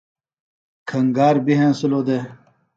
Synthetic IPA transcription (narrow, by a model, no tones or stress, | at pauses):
kʰɐŋɡaːɾbiɦẽnsuloːd̪e